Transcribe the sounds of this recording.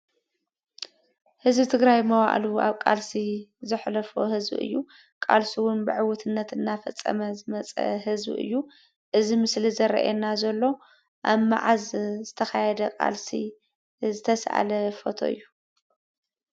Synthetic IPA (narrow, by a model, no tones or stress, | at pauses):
hɨzbɨt̪ʰɨɡɾajmɐwaʔlua̰βkʼalsizɨħlɐfohɨzbḭʔɨ̰jːu | kʼa̰lsuwʊnbɨʕɨwɔt̪ʰɨnːɐt̪ɨnːafɐt͡sʼːɐ̰mɐzɨmɐt͡sʼɐ̰hɨzbɨ̰ʔɨ̰jːu | ʔɨzimɨslizɐɾɐ̰ʔɛnːazɐlːo̞ | ʔaβma̰ʕazzɨt̪ʰɐxajɛd̪ɐkʼa̰lsi | zɨt̪ʰɐsʔa̰lɐfot̪ʰo̞̰ɨ̰jːu